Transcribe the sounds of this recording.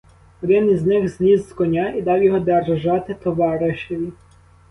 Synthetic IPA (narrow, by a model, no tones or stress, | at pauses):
ɔd̪ɪniznɪxznʲizkɔnʲaid̪ɑwjɔɦɔd̪ɛrʒɑt̪ɪt̪ɔʋɑɾɪʃeʋʲi